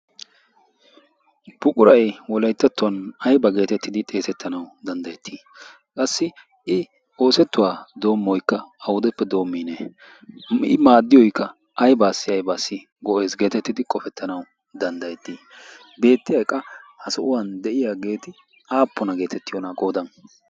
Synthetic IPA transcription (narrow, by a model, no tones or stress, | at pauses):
bʊkʼʊɾɐjwɔlɐjt̪ːɛt̪ːʊwɐnɐjbɐɡe̞ːt̪ɛt̪ːɪd̪ɪt̪ʼe̞ːsɛt̪ʰːɐnɐwd̪ɐnd̪ɐjɛt̪ʰːiː | kʼɐsːɪ | ɪ | o̞ːsɛt̪ːʊwaːd̪o̞ːmːɔjkːɐɐwʊd̪ɛpːɛd̪o̞ːmːiːne | ɪ̰maːd̪ːɪjɔjkːɐ | ʔɐjbaːsːɪɐjbaːsːɪ | ɡɔʔe̞ːsɡe̞ːt̪ɛt̪ːɪd̪ɪkʼɔfɛt̪ːɐnɐw | d̪ɐnd̪ɐjɛt̪ːiː | be̞ːt̪ːɪjɐjkʼːɐhɐsɔʔʊwɐnd̪ɛʔɪjaːɡe̞ːt̪ɪ | aːpːɔnɐɡe̞ːt̪ɛt̪ːɪjɔnɐɡo̞ːd̪ɐn